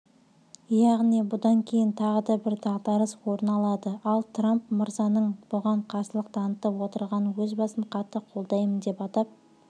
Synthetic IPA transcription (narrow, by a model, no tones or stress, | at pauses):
jɑʁnijbʊd̪ɑŋkʲʰe̞jɪnt̪ʰɑʁəd̪ɑbɪɾd̪ɑʁt̪ɑɾəzwo̞ɾənɑlˠɑd̪əɑlˠt̪ʰrampmʊɾzɑnəɴb̥ʊʁɑɴqʰɑsəlˠəqt̪ʰɑnət̪əpwo̞t̪əɾʁɑnwɵzbɑsəɴqʰɑt̪ːəqʰo̞lˠd̪ɑjmənd̪e̞pɑt̪ɑp̚